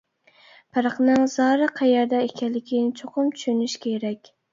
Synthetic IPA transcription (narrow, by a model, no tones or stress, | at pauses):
pʰæɾəqnɨŋz̥ɑɾɨqʰæjɛɾd̪ɛekʲʰɛnlːɪkʲʰinɪt͡ʃʰoqʊmt͡ʃʰy̥ʃynyʃkʲʰeɾɛkʲ